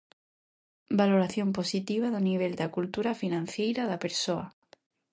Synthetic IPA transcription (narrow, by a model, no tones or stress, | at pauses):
baloɾaθjomposit̪iβ̞aðoniβ̞eld̪akult̪uɾafinãn̟θjejɾaðapeɾsoa